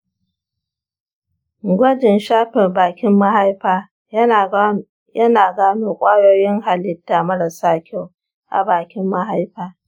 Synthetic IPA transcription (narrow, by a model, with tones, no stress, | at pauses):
ɡʷɐ˦d͡ʒɪ˨nʃaː˦ɸɪ˨rbaː˨kʲɪ˦mːa˦ɦa˦jɸaː˦ | jɐ˦naː˨ɡaː˦noː˦kʷʼaː˦joː˦jɪ˦ŋɦa˨lɪ˦tːa˨mɐ˦ɽɐ˨saː˦kʲʰa˦w | ʔa̰˨baː˨kʲɪ˦mːa˦ɦa˦jɸaː˦